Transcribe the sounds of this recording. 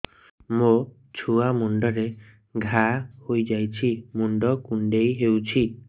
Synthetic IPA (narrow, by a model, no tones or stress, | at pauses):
mo | t͡ʃʰuamuɳɖɔɾe | ɡʱahojd͡ʒajt͡ʃʰimuɳɖɔkuɳɖejɦewt͡ʃʰi